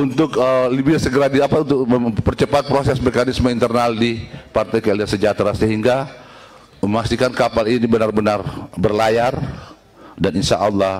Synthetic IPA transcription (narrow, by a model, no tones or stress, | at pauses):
unt̪ʊkəlibisəɡəɾadiapaunt̪ʊk̚əpərt͡ʃəpat̪̚pɾosɛsmɛkanismaint̪ərnaldipart̪ajkaliasəd͡ʒat̪ɾasəɦiŋɡa | əmakst̪ikankapalinibənarbənarbərlajar | daninʃa̰ʔɑlˠːɑh